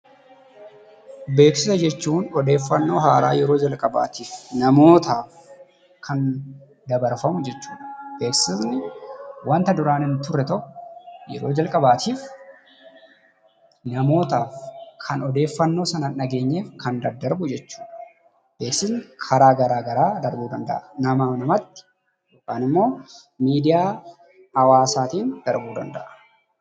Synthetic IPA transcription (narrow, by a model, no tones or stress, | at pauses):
be̞ːksɪsɐd͡ʒɛt͡ʃːuːnɔd̪e̞ːfːɐnːo̞ːɦaːɾa̰ːjɛɾo̞ːd͡ʒɐlkʼɐba̰ːt̪iːfnɐmo̞ːt̪aːf | kʰɐn | d̪ɐbɐɾfɐmʊd͡ʒɛt͡ʃːuːᶑɐb̥eːksɪsnɪwɐnt̪ɐd̪ʊɾaːnɪnt̪ʊrːɛt̪ɔʔjɛ̰ɾo̞ːd͡ʒɐlkʼɐbaːt̪ʰiːf | nɐmo̞ːt̪aːfkʰɐnɔd̪e̞ːfːɐnːo̞ːsɐnɐnɐɡe̞ːɲːeːfkɐnd̪ɐd̪ɐɾbʊd͡ʒɛt͡ʃːu̥ːᶑɐ | b̥eːksɪsnɪkʰɐɾaːɡɐɾaːɡɐɾaːd̪ɐɾbuːd̪ɐnd̪ɐ̰ʔɐnɐmaːfnɐmɐt̪ːɪ̥ | jokʼːaːnɪmːo̞ː | miːd̪ɪjaː | hɐwaːsaːt̪iːnd̪̥ɐɾbuːd̪ɐ̰nd̪ɐ̰ʔɐ̥